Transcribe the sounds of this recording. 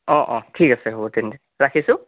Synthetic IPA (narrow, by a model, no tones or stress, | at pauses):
ɔ̃ʔɔ̃tʰikasɛɦobɔtɛntɛ | ɹakʰisʊ̃